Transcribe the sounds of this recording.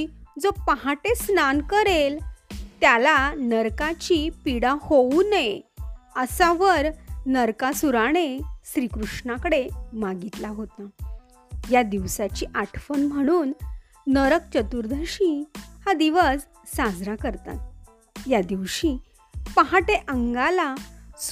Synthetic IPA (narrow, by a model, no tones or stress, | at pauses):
d͡zopaɦaʈesnankəɾelt̪jalanəɾkat͡ɕipiɽahonaejəsaʋəɾnəɾkasuɾaɽ̃eɕɾikɾuʂɳakəɽemaɡit̪laɦot̪a | jad̪iʋsat͡ɕiʔaʈʰfənməɽ̃uːnː | əɾək̚t͡ɕət̪uɾd̪ʱəɕihad̪iʋəd͡z | sad͡zɾakəɾt̪a̰t̪̚ | jad̪iʋɕi | pəɦaʈeʔəŋɡalas